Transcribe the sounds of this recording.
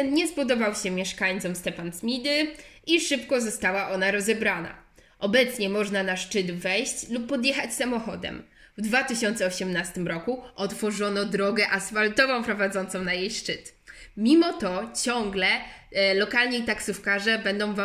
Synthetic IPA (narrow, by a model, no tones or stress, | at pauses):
t̪ɛnɲɛspɔd̪ɔvawɕɛmʲjɛʂkaɲt̪sɔmst̪ɛpansmʲid̪ɘiʂɘpkɔzɔst̪awaʔɔnaɾɔzɛbɾana̰ | ʔɔbɛt̪sɲɛmɔʐnanaʂt͡ʂɘd̪vɛjɕt͡ɕlupːɔd̪jɛxat͡ɕsamɔxɔd̪ɛ̰m | vd̪vat̪ɘɕɔnt̪sɛɔɕɛmnast̪ɘmɾɔkuʔɔt̪fɔʐɔnɔd̪ɾɔɡɛʔasfalt̪ɔvɔ̃w̃pɾɔvad̪zɔnt̪sɔ̃w̃najejʂt͡ʂɘt̪ | mʲimɔt̪ɔt͡ɕɔŋɡlɛlɔkalɲɛit̪aksufkaʐɛbɛnd̪ɔ̃w̃va